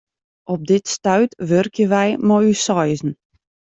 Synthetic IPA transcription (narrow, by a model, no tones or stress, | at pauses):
ɔb̚dɪtstœɥtʋørkʰjəʋɛjmɔysɔjzn̩